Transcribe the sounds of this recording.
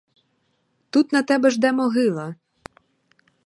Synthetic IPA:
t̪ut̪nɐt̪ɛbɛʒd̪ɛmɔɦɪlˠɐ

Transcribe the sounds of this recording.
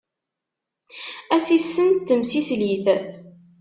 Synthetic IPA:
æsisːənt̪t̪ːəmsisliθ

